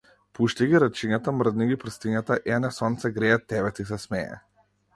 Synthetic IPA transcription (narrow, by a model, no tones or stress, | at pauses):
puʃt̪iɡiɾat͡ʃiɲat̪amr̩d̪niɡipr̩st̪iɲat̪aʔɛnɛsɔnt̪sɛɡɾɛat̪ːɛβɛt̪is̬ɛsmɛɛ̰